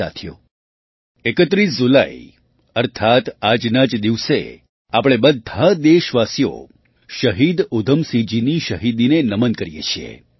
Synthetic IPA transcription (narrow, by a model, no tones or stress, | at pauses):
a̰t̪ʰijo̰ | ekət̪ɾisd͡ʒulai | əɾt̪ʰat̪ad͡ʒnad͡ʒd̪iʋsḛ | apɽ̃ebəd̪ʱːad̪eʃʋasijo̰ | ʃəɦid̪ud̪ʱəmsid͡ʒiniʃəɦid̪inenəmənkəɾijḛt͡ʃʰiḛ